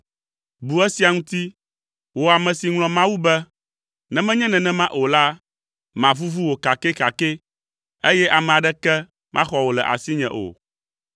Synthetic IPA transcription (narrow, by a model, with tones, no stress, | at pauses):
bu˨ɛ˦si˨a˨ŋũ˦t̪i˦ | wo˨a˨mɛ̃˨si˨ŋlɔ̃˨mã˦wu˦bɛ˦ | nɛ̃˨mɛ̃˦ɲɛ̃˦nɛ̃˨nɛ̃˦mã˦ʔo˨la˦ | mã˨vu˦vu˦wo˨ka˨kɛ˦ka˨ke˦ | e˦jɛ˦ʔa˨mɛ̃˨a˨ɖɛ˦kɛ˦ | mʔã̰˦xɔ˨wo˨lɛ˨ʔa̰˨si˦ɲɛ̰̃˨ʔo̰˨